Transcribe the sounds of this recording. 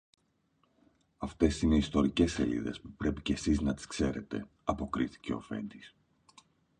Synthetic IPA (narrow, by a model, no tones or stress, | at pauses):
ɐft̪e̞sine̞ist̪o̞ɾice̞se̞̰lḭðe̞̰spupɾe̞picesiznɐt̪i̥skse̞ɾe̞t̪e̞ | ɐpo̞kɾiθi̥ce̞o̞̰fe̞̰nd̪is